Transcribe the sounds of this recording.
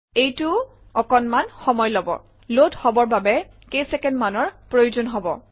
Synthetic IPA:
ejtʊ | ɔkɔnmanxɔmɔjlɔbɔ̰ | lodhɔbɔɹbabɛ | kejsɛkɛndmanɔɹpɹojuzonɦɔbɔ

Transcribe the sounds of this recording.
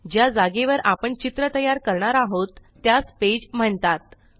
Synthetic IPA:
d͡ʑjad͡zaɡeʋəɾʔapəɳt͡ɕit̪ɾət̪əjaɾkəɾɳaɾaɦot̪ːjasped͡ʑm̤əɳt̪at̪̚

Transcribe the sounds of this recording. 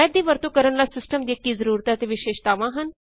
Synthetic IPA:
jəd̪iːʋəɾt̪oːkəɾəɳlaːsɪsʈəmd̪iːkːiːzəɾuːɾət̪at̪eːʋɪʃeːʃt̪aːʋãːɦən

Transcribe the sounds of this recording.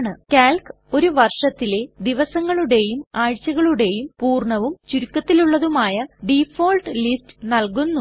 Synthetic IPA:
ɳɨkaːlk | o̞ɾuʋɐrʂɐt̪ːile̞d̪iʋɐsɐŋːɐɭuɽe̞jumaːɻt͡ɕːɐɣɐɭuɽe̞jumpuːrɳɐʋumt͡ɕuɾukːɐt̪ːiluɭːɐðumaːjɐɖifoːlʈlistɨ̥nɐlkunːu

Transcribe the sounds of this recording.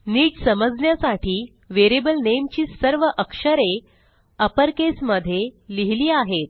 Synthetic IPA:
niːʈsəməd͡znjasaʈʰiː | ʋeɾibəlnemt͡ɕiːsəɾʋəʔəkʂəɾe | əpəɾkesməd̪ʱːjeliɦliːaɦet̪̚

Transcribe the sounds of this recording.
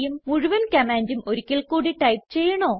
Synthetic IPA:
jumːuɻuʋɐnkɐmaːnd͡ʑumo̞ɾukʲːilkuːɽiʈɐjpt͡ɕe̞jːɐɳoː

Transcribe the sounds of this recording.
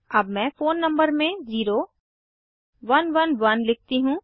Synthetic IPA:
ɐbmɛ̃ːfoːnːɐ̃mbəɾmẽziːɾo | ʋɐnʋɐnʋɐnlɪk̚ʰt̪iɦũː

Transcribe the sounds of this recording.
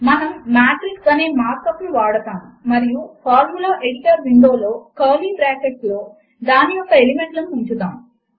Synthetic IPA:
mɐnɐmːaːʈ̪ɾiʈɐneːmaːɾkɐpnuʋaːɽɐt̪aːmumɐɾijupʰaːɾmulaʔeɽiʈɐɾʋiɳɖo̞ːlo̞ːkɐːliːbɾaːkeʈ̚slo̞ː | d̪aːnijɔkːɐelime̞ɳʈlɐmuuɲt͡ʃud̪aːmu

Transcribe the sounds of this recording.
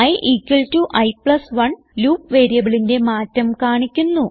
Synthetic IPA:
ɐjʔiːkːɐɭtuʔɐjpɭɐsʋɐɳ | luːpʋeːɾijɐʋɐɭinde̞maːtːɐmkaːɳikʲːunːu

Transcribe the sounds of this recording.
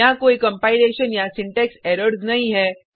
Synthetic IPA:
ãkoːikɐ̃mpaːɪleːʃənjasɪ̃ɳʈɛksɛːɾəɾznɐɦĩɦɛː

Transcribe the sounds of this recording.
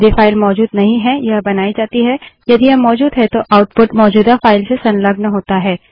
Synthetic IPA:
d̪efaːɪlmɔːd͡ʒuːd̪nɐɦĩɦɛjɐɦbɐnaːid͡ʒaːt̪iɦɛjɐd̪iɐmːɔːd͡ʒuːd̪ɦɛt̪oʔaːʊʈpʊʈmɔːd͡ʒuːd̪afaːɪlsesɐ̃nlɐɡnɦoːt̪aɦɛː

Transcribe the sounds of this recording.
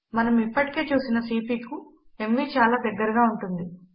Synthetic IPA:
mɐnɐmipːɐʈi̥ke̞ːt͡ʃuːsinɐsiːpikuemːiːt͡ʃaːlaːd̪ɐɡːɐɾɐɡaːuɳʈund̪i

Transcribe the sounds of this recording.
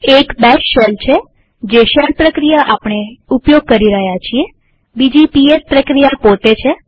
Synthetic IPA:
ekbɛʃʃelt͡ʃʰe | d͡ʒeʃɛlpɾəkɾijaʔapɳ̃eupjoɡ̚kəɾiɾəɦjat͡ʃʰie | bid͡ʒipiespɾəkɾijapot̪et͡ʃʰe

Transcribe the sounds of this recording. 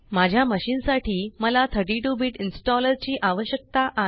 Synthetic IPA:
mad͡ʑʱjaməɕiːnsaʈʰiːməlat̪ʰəɾʈiʈuːbiʈinsʈɔləɾt͡ɕiːʔaʋəɕjək̚t̪aʔa

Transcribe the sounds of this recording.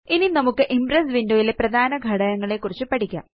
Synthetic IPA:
ininɐmukːɨʔimbrɐsʋindoːjileprɐd̪ʱaːnɐɡʱɐɽɐjɐŋːɐɭe̞kːurit͡ɕːɨpɐʈikʲːa̰

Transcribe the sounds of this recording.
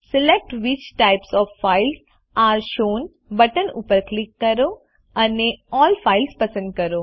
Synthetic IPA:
sɪlek̚ʈʋɪt͡ʃʈaɪpsɔːfːaɪls | aːɾʃoːn | bəʈənṵpəɾklɪkːɐɾo | ɐneɔːlfaːɪlspəsə̃nd̪̚kɐɾo

